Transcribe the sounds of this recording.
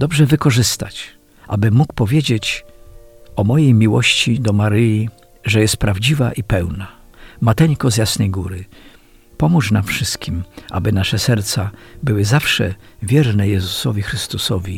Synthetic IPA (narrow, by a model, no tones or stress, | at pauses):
d̪ɔbʐɛvɘkɔʐɘst̪a̰t͡ɕ | ʔa̰bɘːukpɔvʲjed͡ʑet͡ɕ | ɔmɔjejmʲiwɔɕt͡ɕid̪ɔmaɾɘji | ʐɛjɛst̪̚pɾavd͡ʑivaʔipɛwna | mat̪ɛɲkɔzjasnɛjɡuɾɘ | pɔmuʂnamfʂɘst̪kʲimʔa̰bɘnaʂɛsɛɾt̪sabɘwɘzafʂɛvʲjɛɾnɛjɛzusɔvʲixɾɘst̪usɔvʲi